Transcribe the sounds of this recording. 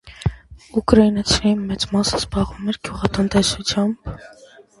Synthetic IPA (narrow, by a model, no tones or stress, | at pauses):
ukɾɑinɑt͡sʰiɑjinmɛt͡smɑsə̥sbɑʁumɛɾɡ̥juʁɑt̪ənt̪ɛsut͡sʰjɑmb̥